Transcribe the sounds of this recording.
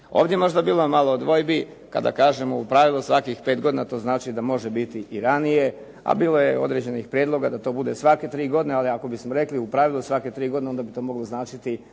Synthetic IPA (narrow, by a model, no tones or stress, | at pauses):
oːvd̪jeemo̞ʒd̪abiːlˠomalod̪ʋo̞jbi | ka̰d̪a̰kaːʒe̞moupɾaʋilˠusʋakixpe̞ːt̪ɡo̞d̪inat̪o̞ːznaːt͡ʃid̪amo̞ʒebit̪iʔiɾanije̞ | a̰biːlˠo̞jeo̞̰d̪ɾe̞d͡ʑe̞nixpɾjed̪lˠo̞ɡad̪at̪o̞ːbud̪e̞sʋake̞t̪ɾiːɡo̞d̪inealiako̞bismoɾe̞kliupɾaʋilˠusʋake̞t̪ɾiːɡo̞d̪ineo̞nd̪abit̪o̞ːmo̞ɡloznaːt͡ʃit̪i